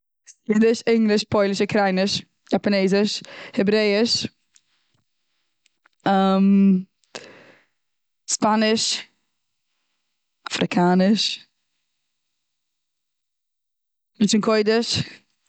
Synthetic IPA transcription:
sjidɪʃɪŋlɪʃpʰɔɪlˠɪʃəkʰɾaɪnɪʃ | japaneːzɪʃhɪbɾeɪɪʃ | əm | spanɪʃ | afɾɪkʰaːnɪʃ | mɪnt͡ʃənkʰɔɪdɪʃ

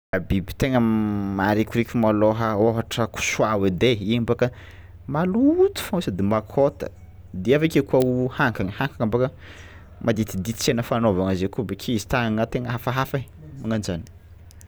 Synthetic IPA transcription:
abibi̥t̪eŋəmaɾikʲuɾikʲumaloɦəoɦaʈ͡ʂəku̥swawed̪eimbakə | malut̪u̥famusad̪emakʰot̪ə̥̰ | d̪iavekekuauhaŋkaŋəhaŋkaŋambakə | mʔad̪it̪id̪it͡senəfanovaŋəzekubekʰiizi̥t̪aaŋat̪eŋəɦafaɦafa | aŋanizani̥

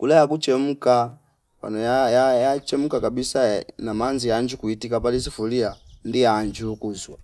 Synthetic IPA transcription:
kulajakut͡ʃɛmuka | pa̰nɔjajajat͡ʃɛmukakabisanamanziaɲd͡ʒukuitikapalisifuliandiaɲd͡ʒukuzwa

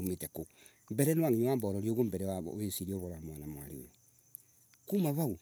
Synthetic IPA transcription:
ometeko | mbɛɾɛnwaŋiɲowambɔɾɔɾioɣombɛɾɛwa̰esiɾioβoɾamwanamowa̰ɾeo̰jo | kumaβau

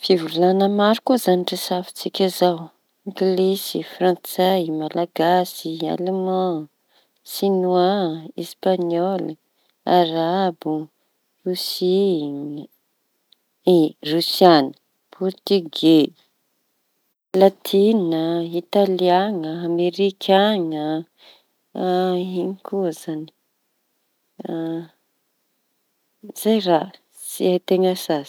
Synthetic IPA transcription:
fivulanəmaɾukuzaniʈ͡ʂəsafi̥t͡sikʲazaw | iɡilesifrãnt͡samalaɡasia̰lemã | sinuaespaɲɔl | aɾabu | rusi | erusianə | pʰɔɾt̪yɡe | lat̪ʰinəit̪aliaŋəameɾikʰaŋə | iɲikuzani̥ | a | z̥ajra | siat̪eŋəsaz

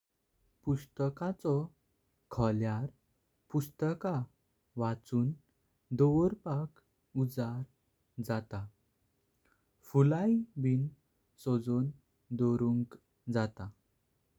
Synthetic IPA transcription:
pust̪əkat͡sɔ | kʰɔljaɾ | pust̪əka | ʋat͡suːn | d̪oʋəɾpak | ud͡zaɾ | d͡zat̪a | fulajbin | sod͡zon | d̪oɾuŋk | d͡zat̪a

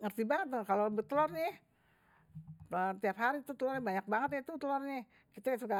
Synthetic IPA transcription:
ŋərt̪ibaŋət̪əkalobət̪əlɔrɲɛ | ət̪iapɦaɾit̪ut̪əlɔrɲabaɲak̚baŋət̪jat̪ut̪əlɔrɲɛ | kit̪asuka

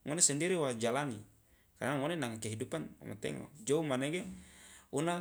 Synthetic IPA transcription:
ŋonesandiɾiwad͡ʒalani | kaɾnaŋonenaŋakeɦidupana̰ma̰t̪ɛ̰ŋo̰d͡ʒoumaneɡe | una

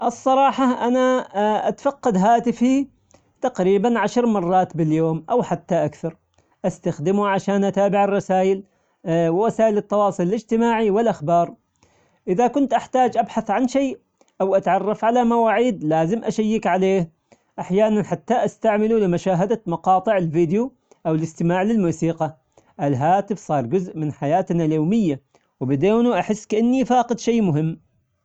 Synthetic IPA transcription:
ʔɨsˤːɑɾˤɑːħɑʔanaʔa̰t̪fɑqːɑd̪ɦaːt̪ɪfi | t̪aqɾiːbanʕaʃɾˤmɑrˤːɑːt̪bɪljoːmʔawħat̪ːaʔakθɑɾˤ | ʔast̪axd̪ɪmuʕaʃaːnʔat̪aːbɪʕɪrˤːɑsaːjɪl | wɪwasaːʔɪlɪt̪ːɑwɑːsˤɨlɪlɪd͡ʒt̪ɪmaːʕiwɪlʔaxbɑːɾˤ | ʔɪðakʊnt̪ʔaħt̪aːd͡ʒʔabħaθʕanʃeː | ʔawʔat̪ʕɑrˤːɑfʕalamawaːʕiːd̪laːzɪmʔaʃajːɪkʕaleːh | ʔaħjaːnanħat̪ːaʔast̪aʕmɪlulɪmaʃaːɦad̪amɑqɑːt̪ˤɨʕɪlviːd̪ɪju | ʔawɪlɪst̪ɪmaːʕlɪlmuːsiːqɑ | ʔɪlɦaːt̪ɪfsˤɑːɾˤd͡ʒʊzʔmɪnħajaːt̪naljoːmɪjːa | wbɪd̪eːnuʔaħɪsːkaʔanːifaːqɪd̪ʃeːmʊɦɪmː

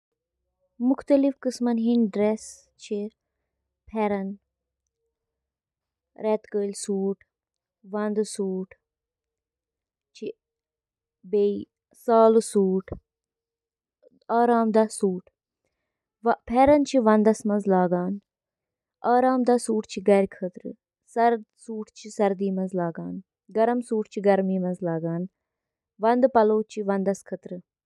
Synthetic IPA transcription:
muxt̪ɐlifkɨsmɐnɦinɖɾes | t͡ʃʰi | pʰɛɾɐn | ɾɛt̪kəːlsuːʈ | ʋɐnd̪suːʈ | t͡ʃʰi | bei | saːlusuːʈʰ | aːɾaːmd̪aːsuːʈʰ | ʋpʰɛːɾɐnt͡ʃʰiʋɐ̃nd̪ɐsmɐnzlaːɡaːn | aːɾaːmd̪aːsuːʈʰt͡ʃʰiɡɐɾkʰət̪ɾɨ̰ | sɐɾsuːʈʰt͡ʃʰisɐɾd̪iːmɐnzlaːɡaːn | ɡɐɾɐmsuːʈʰt͡ʃʰiɡɐɾmiːmɐnzlaːɡaːn | ʋɐnd̪pɐloːt͡ʃʰiʋɐnd̪ɐskʰɐt̪ɾɨ

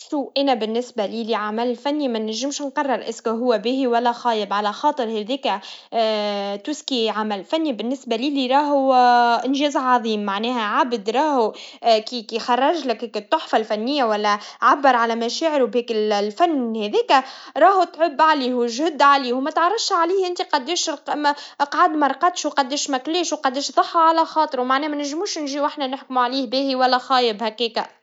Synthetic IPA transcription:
ʃuːʔænæbɪnːɪsbæliːliʕamællfænːimænæʒːɪmʃnqɑrˤːɑɾˤʔɪskæɦʊwːæbiːhiwælːæxɑːjəbʕalæxɑːt̪ˤɨɾˤhɛðɛːkæ | t̪uːskiʕamælfænːibɪnːɪsbæliːliɾˤɑːɦuʔɪnʒɛːzʕɑðˤiːmːaʕnɛːhæʕabd̪ɾˤɑːhukikixɑrˤːɑʒlɪkːkɪt̪ˤːoħfalfænːɪjːawælːæʕabːɑɾˤʕalæmæʃɛːʕɪɾwbhɛːkɪllfænːhɛðiːkæɾˤɑːhut̪ʕʊbːʕaliːhʒʊd̪ːʕaliːhwmæt̪ʕɑrˤːɑfʃʕaliːhʔɪnt̪iqɑd̪ːiːʃmʔqʕad̪mæɾˤqɑt̪ʃwqɑd̪ːiːʃmæklɛːʃwqɑd̪ːiːʃðˤɑħːɑʕalæxɑːt̪ˤɨɾwmaʕnɛːmænɪʒmuːʃnʒiːwʔɪħnænɪħkmuʕaliːhbiːhiwælːæxɑːjəbhækiːka

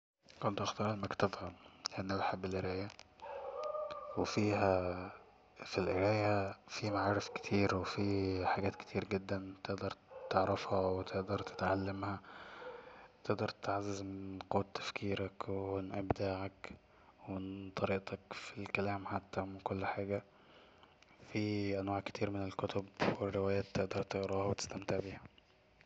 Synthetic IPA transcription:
kont̪ʔɑxt̪ɑːɾˤʔæmækt̪ɑd̪ˤhɑlleʔænːæwħabːelʔeɾæːjæ | wefiːhæ | filʔeɾæːjæfimaʕaːɾˤefke̥t̪ʰiːɾwefiħaɡæːt̪ke̥t̪ʰiːɾɡed̪ːænt̪eʔd̪ɑɾˤt̪eʕɾɑfhɑwet̪ʰeʔd̪ɑɾˤt̪e̥t̪ʕalːemhæ | t̪eʔd̪ɑɾˤt̪e̥t̪ʕazːæzmenqowːæt̪ːæ̥fkʰiːɾækwenʔæbd̪aːʕak | went̪ˤɑɾiːʔt̪ɑkfilkælæːmħat̪ːæmɪnkolːħaːɡæ | fiʔænwaːʕke̥t̪ʰiːɾmenelkot̪ʰobwerːewæːjæːt̪ːeʔd̪ɑɾˤt̪eɣɾɑːhɑwet̪e̥st̪æmt̪eʕbiːhæ

